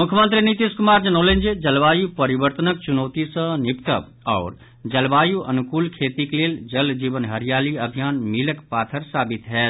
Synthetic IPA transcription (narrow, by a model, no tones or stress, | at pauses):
mʊkʰjəmə̃nt̪ɾinit̪iːskʊmaːɾd͡ʒɐnoːlẽnd͡ʒed͡ʒɐlʋaːjupəɾɪʋəɾt̪ənək̚t͡ʃʊnoːt̪isə̃nɪpt̪əb | ɔ̰ːɾ | d͡ʒɐlbaːjuʔɐ̰nʊkuːlkʰeːt̪ikeleːld͡ʒəld͡ʒiːʋənɦəɾijaːliɐbʱijaːnmiləkpaːt̪ʰəɾsaːbɪt̪ɦɛː